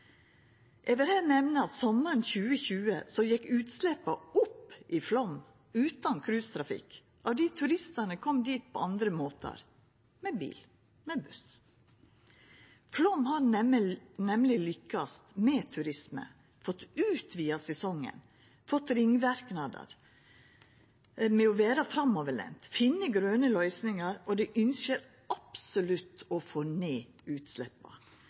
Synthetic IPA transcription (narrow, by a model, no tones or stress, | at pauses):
ʔɛʋəɾhɛːnɛʋnəɑt̪sɔmːəɾnçʉːəçʉːəsɔjɛkːʉːt̪slɛpːɑʊpːʔɪflɔm | ʉːt̪ɑnkʰɾʉːst̪ʰɾɑfɪ̰k | ʔɑʋd̪iːt̪ʰʉɾɪst̪ənəkʰɔmd̪iːt̪̚pʰɔ̰ːɑnd̪ɾəmoːt̪ʰə̰ɾ | mebḭːl | mebʉs | flɔmhɑːɾ | nɛmlɪlʏkːɑst̪mɛt̪ʰʉɾɪsmə̰ | fɔt̪ːʉːt̪ʰʋiːɑsɛsɔŋːə̰n | fɔt̪ːɾɪŋːʋæɾknɑd̪ə̰ɾ | mɛɔʋeːɾɑfɾɑmːoːʋəɭɛ̰nt̪fɪnːəɡɾøːnəlœʏsnɪŋɑɾɔd̪ɛʔʏnsəɾ | ɑpsʊlʉt̪ːɔfoːneː | ʉːt̪slɛpːɑ̰